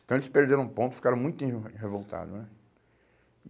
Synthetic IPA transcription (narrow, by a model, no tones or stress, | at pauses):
t̪w̃elɪspeɾd̪eɾɐ̃ũpõt̪ʊ̥fi̥kaɾɐ̃w̃mũj̃t̪ĩɦevowt̪a̰d̪ʊnɛ